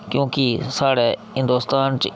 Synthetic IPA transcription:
kjũːkisaːɽɛːɦɪ̃nd̪oːst̪aːnt͡ʃ

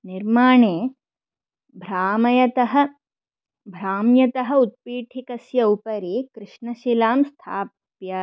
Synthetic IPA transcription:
niɾmaːɳeː | bʱɾaːmɐjɐt̪ɐɦɐ̆ | bʱɾaːmjɐt̪ɐɦɐ̆ut̪̚piːʈʰikɐsjɐupɐɾiːkɾɨʂɳɐʃilaːmst̪ʰaːp | pjɐ

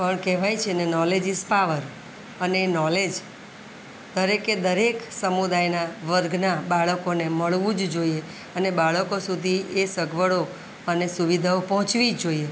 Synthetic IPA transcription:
pəɳkɛʋajt͡ʃʰenenɔled͡ʒispaʋəɾ | əneːnɔled͡ʒ | d̪əɾeked̪əɾeksəmud̪ajnaʋəɾɡʱnabaɭəkoneməɭʋũd͡ʒd͡ʒoie | ənebaɭəkosud̪ʱiesəɡʱʋəɽo | ənesuʋid̪ʱaopɔɦʊ̃t͡ʃʋid͡ʒoie

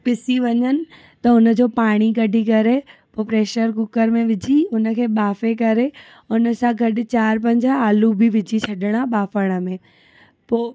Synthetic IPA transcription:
pɪsiʋɐɲənɪ̆ | t̪ɐʊnə̆d͡ʑoːpaːɽ̃iɡɐɖʱikɐɾepoːpɾeːʃəɾkʊkəɾmẽʋɪd͡ʑʱiʊnə̆kʰeːɓaːfekɐɾe | ʊnə̆sãɡʱɐɗɪ̆t͡ɕaːɾpɐ̃ɲd͡ʑʱaaːlubʱɪʋɪd͡ʑʱit͡ɕʰɐɗɪɽ̃aɓaːfəɽ̃ə̆mẽ | poː

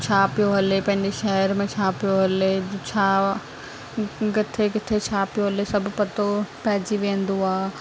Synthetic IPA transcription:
t͡ʃʰaːpɪjoɦɐlepɐ̃ɦɪ̃ɲd͡ʑeʃɛɦəɾmẽt͡ʃʰaːpijoɦɐlet͡ʃʰaː | kɪt̪ʰekɪt̪ʰet͡ʃʰaːpjoɦɐlesɐbʱpɐt̪opɛːd͡ʑiʋẽːn̆d̪uaː

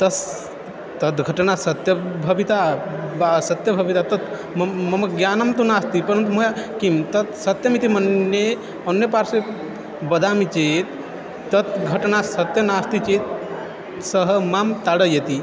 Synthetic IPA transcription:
t̪ɐs | t̪ɐt̪ɡʱɐʈnasɐt̪jɐbʱɐbit̪abasɐt̪jɐbʱɐbit̪at̪ɐt̪ | mmɐmɐkɡjaːnɐmt̪unaːst̪ipɐɾənt̪̬umojakimt̪ɐt̪sɐt̪jɐmit̪imɐne | ɐnːjəpaːɾse | bɐd̪ʱaːmit͡ʃeːt̪ | t̪ɐt̪ɡʱɐʈnasɐt̪jɐnaːst̪it͡ʃeːt̪ | səɦəmamt̪aɽəjet̪i

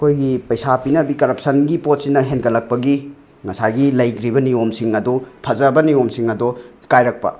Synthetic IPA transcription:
ɐkʰojɡipɐjsapinɐbikɐɾɐp̚sɐnɡipot̚sinɐɦenkɐlːɐk̚pɐɡi | ŋɐsajɡilɐjkɾibɐniomsiŋɐdupʰɐzɐbɐniomsiŋɐdo | kajɾɐk̚pɐ̰

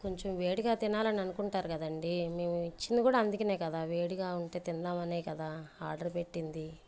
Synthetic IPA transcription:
ko̞ɲt͡ʃomʋe̞ːɽiɡaːt̪inaːlɐniɐnukuɳʈaːɾukɐd̪ɐɳɖime̞ːmuit͡ʃːind̪ikuːɽaːɐnd̪ukɐne̞ːkɐd̪aːʋeːɽiɡaːuɳʈe̞ːt̪ind̪aːmɐneːjkɐd̪aːaːɾɖɐɾpe̞ʈːind̪i

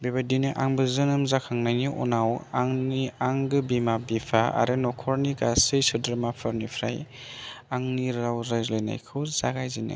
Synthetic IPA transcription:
bebadinɯʔaŋbɯzɯnɯmzakʰaŋnajniʔɔ̰nawaŋniaŋɡɯbimabipʰaa̰ɾɯnɔkʰɔɾniɡasɯjsɯdɾmapʰɯɾnipʰɾaj | aŋniɾawɾajzlɯjna̰jkʰɯwzaɡajzinɯ̰

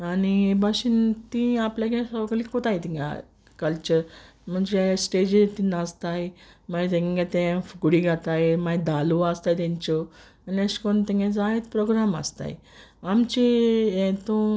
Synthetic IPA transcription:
anibaɕint̪ĩapljaɡesɔkəlikot̪ajt̪ĩŋɡa̰ | kəlt͡ɕəɾ | m̤əɳd͡ʑesʈed͡ʑet̪inast̪ajmat̪ɛ̃ŋɡat̪ɛ̃fukɽiɡʱat̪ajmad̪ʱaluast̪ajt̪ãɲt͡ɕɔ | aniəɕkɔnt̪ɛ̃ŋɡãd͡zaɦet̪pɾoɡɾama̰st̪a̰j | amt͡ɕeet̪o

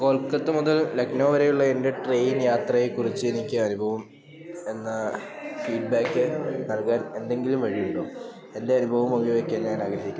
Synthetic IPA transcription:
ko̞ːɭkːɐt̪ːɨmuðɐlleknoːʋɐɾejuɭːɐe̞nde̞ʈre̞ːjinjaːt̪rɐjekːurit͡ɕːɨe̞nikʲːɨɐnubʱɐʋɐm | e̞nːɐfiːɖ̚baːkːɨnɐlkaːne̞nd̪e̞ŋɡilumʋɐɻijuɳɖo | e̞nde̞ɐnubʱɐʋɐmoɣiʋekʲːaːnjaːnaːɡɾɐɦikʲːu

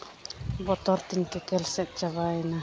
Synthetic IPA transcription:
bɔt̪ɔɾt̪inkɛkɛlsɛk̚t͡ʃaβajna

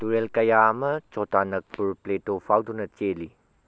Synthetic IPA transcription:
tuɾelkɐjaɐmɐt͡ʃɔtanɐk̚puɾpletopʰawdunɐt͡ʃeli

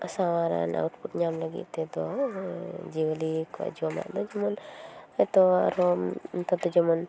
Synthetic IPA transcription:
asawaɾa̰na̰wuʈbut̪̚ɲamlaɡḭt̪t̪ɛd̪ɔ | d͡ʒiwalika̰ʔd͡ʒuama̰ʔd̪ɔd͡ʒɔmɔnajt̪ɔaɾɔmt̪ad̪ɔd͡ʒɔmɔn

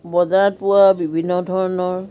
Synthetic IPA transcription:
bɔzat̚pʊwabibʱinːɔdʱɔɹɔnɔɹ

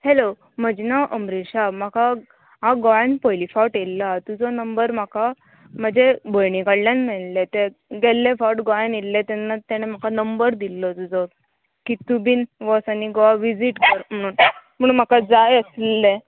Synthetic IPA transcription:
helo | m̤əd͡ʑnaʔəmɾiɕam̤akʰa | ɦaɡɔjanpɔjlifaʈelːat̪ud͡zɔnəmbəɾm̤aka | m̤əd͡ʑebəjɳikaɽljanmɛɭlet̪eɡelːefɔʈɡɔjanilːet̪ɛnːat̪t̪ːaɽ̃em̤akʰanəmbəɾd̪ilːɔt̪ud͡zɔ | kit̪ubiːnʋɔsaniɡɔaʋid͡ziʈkəɾm̤əɽ̃uːnm̤əɽ̃uːnm̤akad͡zajəslelːe

